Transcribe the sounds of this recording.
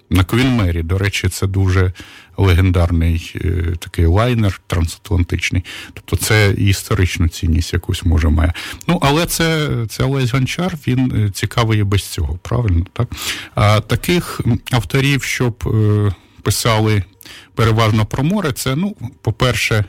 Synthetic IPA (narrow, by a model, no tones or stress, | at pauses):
nɐkʋʲinmɛɾʲid̪ɔɾɛt͡ʃɪt̪sɛd̪uʒɛlˠeɦend̪ɑrnɪj̰t̪ɐ̥kɪjlˠɑjnert̪ɾɐnsɐ̥t̪lˠɐnt̪ɪt͡ʃnɪjt̪ɔ̥p̚t̪ɔt̪sɛḭist̪ɔɾɪt͡ʃnʊt͡sʲḭnʲːisʲtʲjɐkusʲmɔʒɛmɑ̰jɛnuʔɐlˠɛt̪sɛt̪sɛɐlˠɛzʲɦɐnt͡ʃɑrʋʲint͡sʲikɑʋɪjɛbɛsʲt͡sʲɔɦɔpɾɑ̰ʋɪlʲnɔt̪ɑkɐt̪ɐkɪxɐwt̪ɔɾʲiwʃt͡ʃɔb | pɪsɑlˠɪ | peɾeʋɑʒnɔpɾɔmɔɾɪt̪sɛnupɔpɛrʃɛ